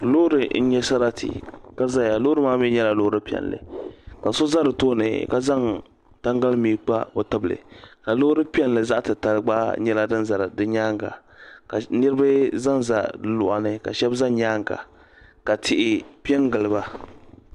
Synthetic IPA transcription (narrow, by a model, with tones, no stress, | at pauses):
lo˦ɾɨ˨n̩˦ɲɛ˦sa˦ɾa˦tʰḭ˨ka˦za˦ja˨lo˦ɾɨ˦maː˦mi˦ɲɛ˦la˨lo˦ɾɨ˦pi˦ɛ̰˨nlɨ̰˨ka˨so˦za˦dɨ˨toː˦nɨ̰˨ka˦za˦ŋ | ta˦ŋɡa˦lmiː˨˦k͡pa˦o˨ta˦blɨ̰˨ka˨lo˦hɾɨ˦pi˦ɛ˦n˨lɨ˨za˦ʔtɨ˨ta˨lɡ͡ba˦ɲɛ˦la˦dɨ˦nza˨ɾdɨ˦ɲaː˦ŋɡa̰˨ | ka˨ni˦ɾba˦za˦nza̰˦dɨ˦lʊ˨ʔa̰˨nɨ˦ka̰˨ʃɛ˦bza˦ɲaː˦ŋɡa̰˨ | ka˨tʰɪ˨ʔɪ˦pi˦ɛ˦ŋɡɨ˨lɨ˨ba˦